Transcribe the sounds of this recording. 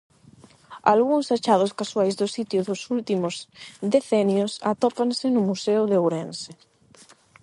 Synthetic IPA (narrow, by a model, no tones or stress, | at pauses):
a̰lɣuŋsat͡ʃað̞ʊskaswajzðʊsit̪jʊðʊsult̪imʊzðeθɛnjʊsat̪ɔpansɪnʊmuseʊðeowɾɛnsɪ